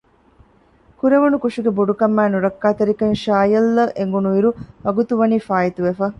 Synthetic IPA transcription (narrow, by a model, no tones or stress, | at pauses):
kuɾeʋunukuʂiɡebuɖukɐmːæːnuɾɐkːaːt̪eɾikɐnʃaːjɐlːɐʔeŋɡunuʋiɾuʋɐɡut̪uʋɐniːfaːit̪uʋefɐ